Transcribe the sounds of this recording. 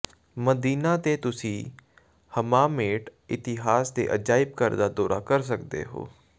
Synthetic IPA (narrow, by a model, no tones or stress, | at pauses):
məd̪iːnaːt̪eːt̪ʊsĩː | həmaːmeːʈɪt̪ɪɦaːsd̪ḛːʔəd͡ʒaːɪb̚kəɾd̪aːd̪oːɾa̰ːkəɾs̬əkd̪ḛːɦo̰ː